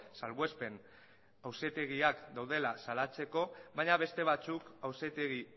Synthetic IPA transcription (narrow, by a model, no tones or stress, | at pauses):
salɣwespe̞n | awset̪e̞ɣiakd̪awðe̞lasalat͡se̞ko̞βaɲaβe̞st̪e̞βat͡sukawset̪eɣi